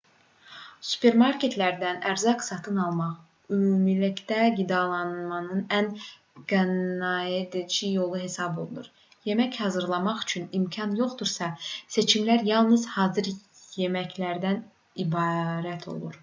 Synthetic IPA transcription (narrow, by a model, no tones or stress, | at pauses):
su̥pʰe̞ɾmɑɾkʰe̞t̪ʰlæɾd̪ænæɾzɑqsɑt̪ʰɯnɑlˠmɑχ | ymuːmilicd̪æɡid̪ɑlˠɑnmɑnɯnæn | ɡ̥ænɑed̪int͡ʃʰijo̞lˠuɦe̞sɑbo̞lˠunṵɾ | je̞mæchɑːzɯɾlˠɑmɑχy̥t͡ʃʰynimcʰɑnjo̞χd̪uɾsɑse̞t͡ʃʰimlæɾjɑlˠnɯz̥hɑːzɯɾ | je̞mæclæɾd̪æn | ibɑɾæt̪ʰo̞̰lˠuɾ